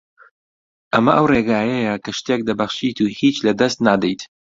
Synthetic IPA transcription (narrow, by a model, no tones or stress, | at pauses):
ʔɐmɐʔɐwreɡaːjɐjɐkʰɐʃt̪ek̚d̪ɐbɐχʃiːt̪uːhiːt͡ʃlɐd̪ɐst̪naːd̪ɛjt̪